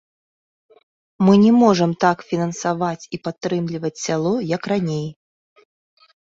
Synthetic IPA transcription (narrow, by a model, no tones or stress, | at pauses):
mɨnʲɛmɔʐɐmt̪akfʲinɐnsavat͡sʲipat̪ːɾɨmlʲivɐt͡sʲsʲalˠɔjɐkranʲej